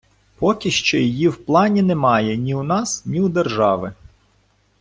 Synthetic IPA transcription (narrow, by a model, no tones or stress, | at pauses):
pɔkʲiʃt͡ʃɔjijiwplˠɑnʲinɛmɑjɛnʲiwnɑsnʲiwd̪erʒɑʋɪ